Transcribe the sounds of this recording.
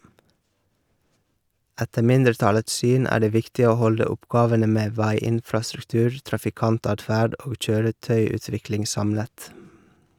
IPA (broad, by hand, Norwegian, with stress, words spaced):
ˈætə ˈmɪndəɾˌtɑləts ˈsyːn ˈæː ˈɖeː ˈʋɪktɪ ˈoː ˈhɔldə ˈʊpˌɡɑːʋənə ˈmeː ˈʋæɪˌɪnfɾɑsɾʉkˌtʉːɾ tɾɑfɪˈkɑnˌtɑːdˌfæːɖ ˈoːɡ ˈc͡çøːɾəˌtœʏʉːˌtʋɪklɪŋ ˈsɑmlət